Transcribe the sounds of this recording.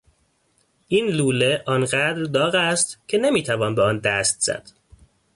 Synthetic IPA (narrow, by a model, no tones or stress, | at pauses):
ʔiːnluːle̞ʔɒnɢæd̪ɾd̪ɒːɣæst̪cʰe̞ne̞miːt̪ʰævɒːnbeɒːnd̪æst̪z̥æ̰d̪̥